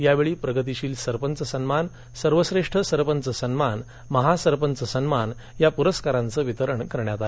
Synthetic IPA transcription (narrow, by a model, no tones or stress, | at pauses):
jaʋeɭiːpɾəɡət̪̬iɕiːlsəɾpənt͡səsənman | səɾʋəsɾeʂʈʰəsəɾpənt͡səsənman | məɦasəɾpənt͡səsənman | japuɾəskaɾãnt͡səːʋit̪əɾəɳkəɾɳjat̪ae